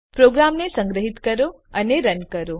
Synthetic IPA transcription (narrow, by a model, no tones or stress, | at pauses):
pɾoɡɾamnesə̃ŋɡɾəɦit̪kəɾo | əneɾənkəɾo